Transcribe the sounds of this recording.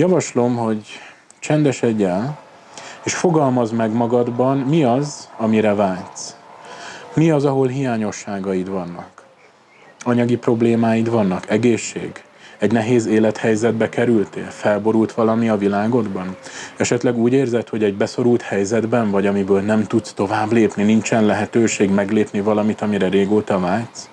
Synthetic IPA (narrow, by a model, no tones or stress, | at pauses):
jɒvɒʃlo̞mho̞ɟ | t͡ʃɛnd̪ɛʃɛɟːɛl | eːʃfo̞ɡɒlmɒzmɛɡmɒɡɒd̪bɒnmiɒzɒmiɾɛvaːlt̪s | miɒzɒɦo̞lɦijaːɲo̞ʃːaːɡɒjid̪vɒnːɒ̰k | ɒɲɒɡipro̞bleːmaːjid̪vɒnːɒkɛɡeːʃːḛːɡ | ɛɟnɛɦeːzeːlɛt̪hɛjzɛd̪bɛkɛɾylt̪ḛːlfɛlbo̞ɾult̪ʋɒlɒmiɒvilaːɡo̞d̪bɒnɛʃɛt̪lɛɡuːɟeːrzɛt̪ho̞ɟɛɟbɛso̞ɾult̪hɛjzɛd̪bɛɱvɒɟɒmibøːlnɛmt̪ut̪st̪o̞vaːbleːpninint͡ʃɛnlɛɦɛt̪øːʃeːɡmɛɡleːpnivɒlɒmit̪ɒmiɾɛɾeːɡoːt̪ɒvaːlt̪s